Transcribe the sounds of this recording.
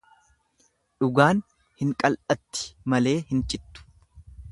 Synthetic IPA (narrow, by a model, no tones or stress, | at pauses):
ᶑʊɡaːn | hɪŋkʼɐlʔɐt̪ːɪ̥mɐle̞ːhɪnt͡ʃʼɪt̪ːʊ̥